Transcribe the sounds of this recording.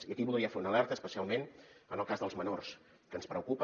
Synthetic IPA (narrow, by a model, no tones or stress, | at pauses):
iəkiβuðˠɾiəfeunəlɛɾt̪əspəsialˠmenənəlˠkazðəlˠzmənors | kənspɾəukupə